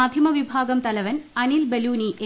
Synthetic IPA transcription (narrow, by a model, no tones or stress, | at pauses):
aːd̪ʱjɐmɐʋibʱaːɡɐmt̪ɐlɐʋɐnɐnilbeluːniʔe